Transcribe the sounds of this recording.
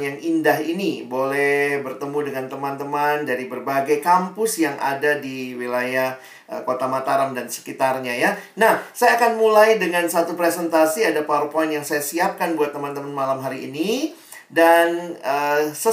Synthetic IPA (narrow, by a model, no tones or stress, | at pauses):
njaŋindaɦinibolɛhbərt̪əmudəŋant̪əmant̪əmandaɾibərbaɡajkampʊsjaŋʔa̰dadiwilajah | əkot̪amat̪aɾamdansə̥kit̪arɲajanahsajaːkanmulajdəŋansat̪upɾesɛnt̪asiadaparpɔanjaŋsajasiap̚kanbuat̪ːəmant̪əmanmalamɦaɾḭːni | danəsə